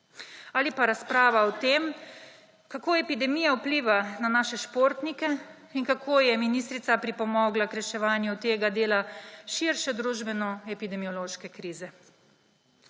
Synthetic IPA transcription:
aːlipaɾaspɾaːʋaɔt̪eːm | kakoːɛpid̪ɛmiːjawpliːʋananaːʃɛʃpoːɾt̪nikɛ | inkakʰoːjɛminiːst̪ɾit̪sapɾipɔmɔːɡlakɾɛʃɛʋaːnjut̪eːɡad̪eːlaʃiɾʃɛd̪ɾuːʒbɛnɔɛpid̪ɛmiɔloːʃkɛkɾiːzɛ

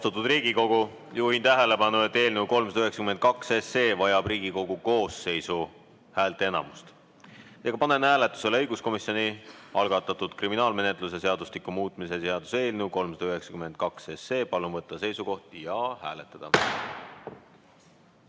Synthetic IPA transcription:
ost̪ut̪ːˑud̪riːɡ̥iko̞ɡ̥u | juːhint̪æɦele̞pɑnuet̪ːe̞ːlnewko̞lmsɑd̪ɑyɦe̞ksɑ̥kyment̪̚kɑksese̞ːvɑjɑb̥riːɡ̥iko̞ɡ̥uko̞ːsːe̞jsu | hæːlt̪ˑeenɑ̰must̪ | eːɡɑpɑnenhæːle̞t̪ːˑu̥se̞lɤjɡ̥usko̞misjo̞niɑlɡ̥ɑt̪ːˑɑt̪ːˑud̪̥kriminɑːlme̞ne̞t̪ˑluse̞se̞ɑd̪̥uslikːumuːt̪ˑmise̞se̞ɑd̪̥use̞ːlnewko̞lmsɑd̪ɑyɦe̞ksɑ̥kyme̞nd̪̚kɑksese̞ːpɑlumvɤt̪ːɑse̞jsuko̞ht̪jɑhæːlet̪ːˑɑd̪̥ɑ

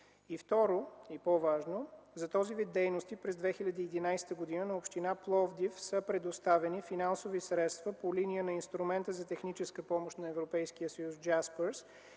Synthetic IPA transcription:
ift̪ɔɾoipɔvaʒnozɐt̪ɔzivid̪̚dːɛjnost̪ipɾɛzd̪vɛxiʎʲɐd̪iːd̪inajsɛ̥t̪əɡod̪inənɐopʃt̪inaplˠɔvd̪ifsəpɾɛd̪ost̪avɛnifinansovisɾɛt̪st̪vəpolinijənɐinst̪ɾumɛnt̪əzɐt̪ɛxnit͡ʃɛskəpɔmoʃt̪nɐɛvɾopɛjskiəsəjusd͡ʒaspəɾs

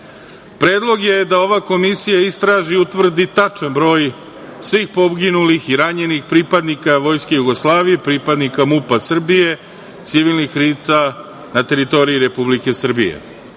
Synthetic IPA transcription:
pɾe̞ːd̪lˠo̞ɡje̞d̪ao̞ʋako̞misijaist̪ɾaːʒiut̪ʋr̩d̪it̪at͡ʂanbɾo̞ːj | sʋiːxpo̞bɡinulixiɾaɲe̞nixpɾipad̪nikaʋo̞jskejuɡo̞slˠaːʋije̞pɾipad̪nikamupasr̩bije̞ | t̪siʋilnixɾiːt̪sa | nat̪e̞ɾit̪o̞ɾiiɾe̞publike̞sr̩bḭjḛ

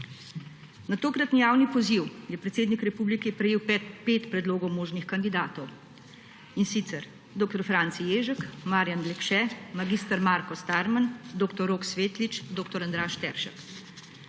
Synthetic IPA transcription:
nat̪oːkɾat̪nijaːwnipɔziwjɛpɾɛt̪seːd̪nikɾɛpuːblikɛpɾɛjeːwppeːt̪pɾɛd̪loːɡɔwmoːʒnixkand̪id̪aːt̪ɔw | insit̪sɛɾ | d̪oːk̚t̪ɔɾfɾant̪sijeːʒəkmaːɾjand̪lɛkʃɛmaɡiːst̪aɾmaːɾkɔst̪aɾmand̪oːkt̪ɔɾoːksʋeːt̪lit͡ʃd̪oːkt̪ɔɾand̪ɾaːʃt̪ɛɾʃə̰k

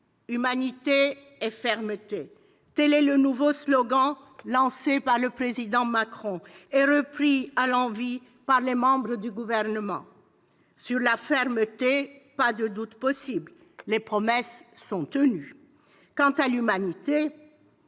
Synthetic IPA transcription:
ymanit̪e | ɛfɛʁmət̪e | t̪ɛlɛlənuvoslɔɡɑ̃ | lɑ̃sepaʁləpχezid̪ɑ̃makχɔ̃ɛʁəpχialɑ̃vi | paʁlemɑ̃bʁəd̪yɡuvɛʁnəmɑ̰̃ | syʁlafɛʁmət̪epad̪əd̪ut̪pɔsibl | lepχɔmɛsːɔ̃t̪əny | kɑ̃t̪alymanit̪e

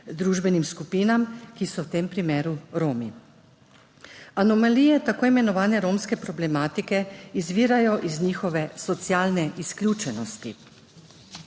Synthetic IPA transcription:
d̪ɾuːʒbɛnimskupiːnamkisɔwt̪eːmpɾimeːɾuɾoːmi | anɔmaliːjɛt̪akoːimɛnɔʋaːnɛɾoːmskɛpɾɔblɛmaːt̪ikɛizʋiːɾajɔʔizniːxɔʋɛsɔt̪sjaːlnɛʔisklʲjuːt͡ʃɛnɔst̪i

